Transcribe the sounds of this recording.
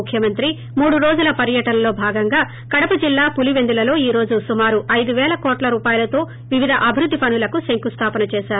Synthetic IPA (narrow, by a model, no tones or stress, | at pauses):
kʰjɐmɐnt̪ɾi | muːɽuɾo̞ːd͡ʒulɐpɐɾjɐʈɐnɐlo̞ːbʱaːɡɐŋɡaː | kɐɽɐpɐd͡ʒilːaːpuliʋe̞nd̪ulɐlo̞ːiːɾo̞ːd͡ʒusumaːɾuʔɐjd̪uʋɛːlɐkoːʈlɐɾuːpaːjɐlɐt̪o̞ː | ʋiʋid̪ʱɐʔɐbʱiɾud̪ʱːipɐnulɐkuseŋkust̪ʰaːpɐnɐt͡ʃɛːʃaːɾu